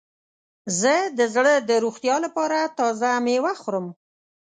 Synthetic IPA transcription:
zəd̪əzɽəd̪əɾuxt̪jɑlapɑɾat̪ɑzamewaxɾəm

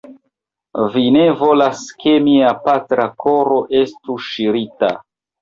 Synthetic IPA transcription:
vine̞vo̞laske̞miapatɾako̞ɾo̞ʔe̞stuʃiɾita̰

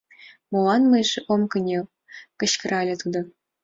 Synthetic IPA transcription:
molˠɑnmɤjʐʔomkɤ̆nʲe | kɤ̆ɕkɤ̆rʔɑlʲɘ̆t̪ud̪ɤ̆

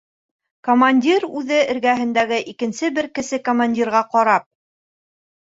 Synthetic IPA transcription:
komanʲdʲiɾʉðɘɘ̆ɾɡæɦɘ̆nd̪æɡɘʔikɘ̆nsɘbɘɾkɘ̆sɘkomanʲdʲirʁɑqɑɾɑp̚

